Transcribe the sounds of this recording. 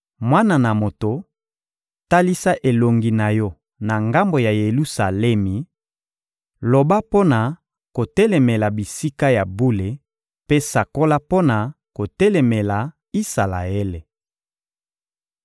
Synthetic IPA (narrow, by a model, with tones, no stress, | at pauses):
mwa˦na˨na˨mo˨to˨ | ta˦li˦sa˦ʔe˨lo˨ŋɡi˨na˨jɔ˦ | na˨ŋɡa˦mbo˨ja˨je˨lu˦sa˨lɛ˦mi˨ | lo˨ba˦po˦na˨ | ko˨tɛ˦lɛ˨mɛ˨la˨bi˨si˦ka˦ja˨bu˦le˨ | pe˦sa˨ko˦la˦po˦na˨ | ko˨tɛ˦lɛ˨mɛ˨la˨ | i˦sa˨la̰˨e˦le˨